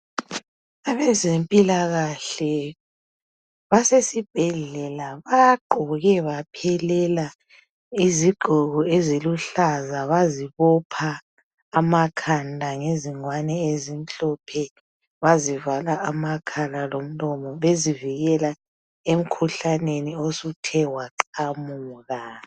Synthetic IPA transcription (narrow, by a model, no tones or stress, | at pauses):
aβɛzempʼilaɣaɬɛ | βasesib̥ʱɛɮɛlaβaɡ͡ǃʱɔɣɛβapʰɛlɛla | iziɡ͡ǃʱuɣɔeziluɬazaβaziβɔpʰaː | makʰandʱaŋeziŋwanɛezin̩ɬɔpʰɛ | βazivalaʔamakʰalalom̩lɔmɔβeziviɣɛla | em̩kʰuɬaneniosutʰɛwaǃamuːɣa